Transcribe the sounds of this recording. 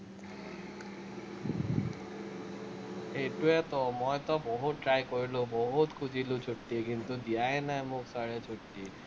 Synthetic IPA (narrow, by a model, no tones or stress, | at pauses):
eʈuɛt̪omɔjt̪ɔbɔɦut̪̚ʈɾajkoɾilobɔɦut̪kʰud͡ʑilot͡ɕʰoʈːikint̪ud̪iaenaɛmoksaɾet͡ɕʰoʈːi